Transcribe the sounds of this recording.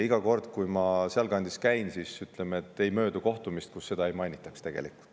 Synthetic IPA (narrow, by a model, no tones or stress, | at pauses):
iɡ̥ɑko̞rd̪̥kujmɑseɑlkɑnʲd̪i̥skæjnsiːsyt̪ˑlemet̪ːe̞jmø̞ːd̪uko̞ht̪umist̪̚kusːe̞d̪ɑe̞jmɑjnʲit̪ːˑɑkst̪e̞ɡ̥e̞̰liku̥lt̪ː